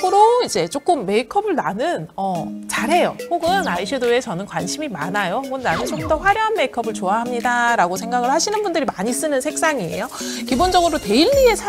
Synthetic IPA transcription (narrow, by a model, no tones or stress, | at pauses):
ɯɾoid͡ʑe̞t͡ɕ͈ok͈ɯmːe̞ikʰʌbɯɭnanɯnʌt͡ɕaɾɦe̞joɸoɡɯnaiɕʰɯdoe̞t͡ɕʌnɯnkwanɕʰimimanajoɡɯnnanɯnt͡ɕ͈ok͈ɯmdʌɸwaɾjoɦanme̞ikʰʌbɯɭt͡ɕoaɦamɲidaɾaɡosʰe̞ŋɡaɡɯɭhaɕʰinɯnbundɯɾimaɲis͈ɯnɯnsʰe̞k̚s͈aŋie̞̰jo | kibond͡ʑʌɡɯɾote̞iʎːie̞sʰa